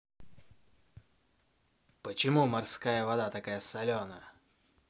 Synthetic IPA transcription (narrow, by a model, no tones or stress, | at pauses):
pət͡ɕɪmumɐrskajəvɐd̪at̪ɐkajəsɐlʲonə